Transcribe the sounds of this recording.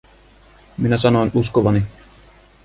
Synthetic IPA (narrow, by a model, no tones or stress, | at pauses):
minæsɑnoːnuskoʋɑni